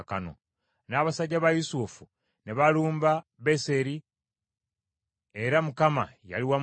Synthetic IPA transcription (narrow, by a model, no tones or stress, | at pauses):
ka̰no̰ | naːβasaɟːaβajusufu | neβaluːmbaβe̞se̞ɾi | e̞ɾamukama̰ja̰liwa